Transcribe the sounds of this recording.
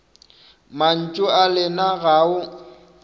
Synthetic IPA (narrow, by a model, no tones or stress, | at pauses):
man̩t͡ʃʼʊalɪnaɣaʊ